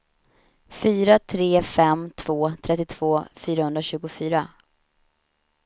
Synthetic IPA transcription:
fyːɾat̪ʰɾeːfɛmt̪ʰv̥oːt̪ʰɾɛt̪ːɪt̪ʰv̥oːfyːɾahɵnd̪ɾaɕʉ̟ːɡʊfyːɾa

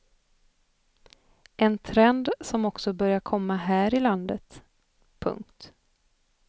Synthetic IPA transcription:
ʔɛnt̪ʰɾɛnd̪sɔmɔksɔbœɾjaɾkʰɔmːaɦæːɾɪland̪ət̪ | pʰɵ̰ŋkt̪

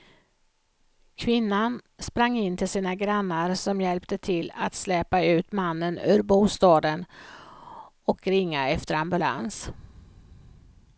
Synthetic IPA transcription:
kʰvɪnːanspɾaŋːɪnːt̪ʰɪlsiːnaɡɾanːaɾsɔmjɛlpt̪ət̪ʰɪlːa̰t̪slɛːpaʉ̟ːt̪manːənʉ̰ːɾbuːst̪ɑːd̪ən | ɔkɾɪŋːaɛft̪əɾambɵla̰ns

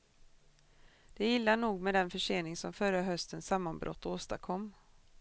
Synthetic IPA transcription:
d̪̥ɛjɪlːanuːɡmɛd̪ɛnfœʂeːnɪŋsɔmfœɾaɦœst̪ənsamːanbɾʔɔ̰t̪ːoːst̪akʰɔmː

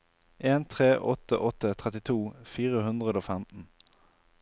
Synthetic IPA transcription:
ʔeːnt̪ʰʁeːʔɔt̪ə̰ʔɔt̪ət̪ʰʁɛt̪ɪt̪ʰuːfiːʁəhʉnd̪ʁəd̪oːfæmt̪n̩

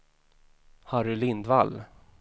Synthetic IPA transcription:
haɾɵlɪnd̪val

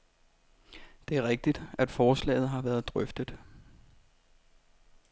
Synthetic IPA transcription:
d̥e̝æɐʁɛɡ̥̚d̥id̥æd̥fɒːslɛ̰ːɪð̩ˠɦɑ̈ʋæːɐðˠd̥ʁœfd̥əd̥ˠ

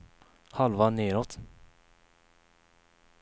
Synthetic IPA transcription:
halvaneːɾot̪

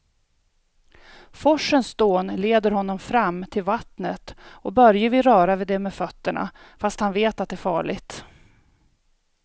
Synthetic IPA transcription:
fɔʂːənsd̪oːnleːd̪əɾhɔnːɔmfɾamːt̪ʰɪlvat̪nət̪ɔbœɾjəvɪɾœːɾavɪd̪ɛmɛfœt̪ːəɳa̰ | fast̪hanveːt̪at̪̚d̪ɛːɾfɑːɭɪ̰ɡt̪

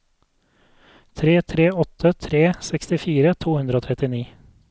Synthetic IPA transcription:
t̪ʰɾeːt̪ʰɾeːɔt̪ʰət̪ʰɾeːsɛkst̪ɪfiːɾət̪ʰuːhʉnd̪ɾəoːt̪ʰɾɛt̪ɪniː

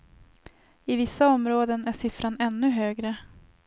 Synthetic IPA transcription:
ɪvɪsːaɔmɾoːd̪ənæʂɪfɾanɛnːɵɦøːɡɾə

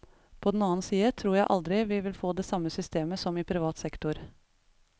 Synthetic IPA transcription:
pʰɔd̪ɛn̩ɑːnsiːət̪ʰɾuːɾjæɪʔɑ̰ld̪ɾɪʋɪʋɪlfoːd̪ɛːsɑmːəsʏst̪eːməsɔmɪːpʰɾɪʋɑːt̪sɛkt̪ʊɾ

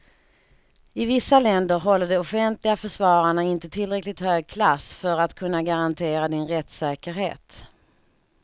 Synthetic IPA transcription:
ɪvɪsːalɛnd̪əɾɦɔlːəɖɛɔfɛnt̪lɪɡafœʂvɑːɾaɳaɪnt̪ət̪ʰɪlːɾɛklɪɡ̚t̪høːɡ̚kʰlasfœɾat̪kʰɵnːaɡaɾant̪ʰeːɾad̪ɪnɾɛt̪sɛːkəɾɦḛːt̪

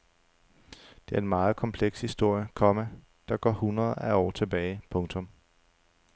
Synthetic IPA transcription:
d̥e̝æɐe̝nmɑ̈ːð̩ˠkʰɒ̽mpʰleɡ̥shisd̥o̝ɐ̰jəkʰɒ̽mæ | d̥ɑ̈ɡ̥ɒ̰ːhunʁɐð̩ˠæɒ̰ːt͡sʰe̝b̥ɛːɪpʰɔ̽ŋt͡sʰɔ̽m

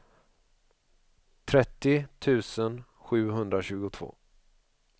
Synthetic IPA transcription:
t̪ʰɾɛt̪ːɪt̪ʰʉ̟ːsən | ɧʉ̟ːɦɵnd̪ɾaɕʉ̟ːɡʊt̪ʰv̥o̰ː

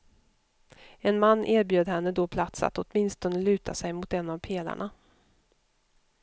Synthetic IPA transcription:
ɛnmanːʔeːɾbjøːd̪hɛnːəd̪ɔpʰlat̪sa̰t̪ɔt̪mɪnst̪ɔnəlʉ̟ːt̪ʰasɛjmʊt̪ɛnːavpʰeːla̰ɳa

